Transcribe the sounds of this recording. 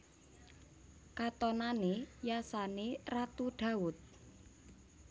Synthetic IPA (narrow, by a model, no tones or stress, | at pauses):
kat̪ɔnanejasanerat̪uɖ̥a̤ʊt̪̚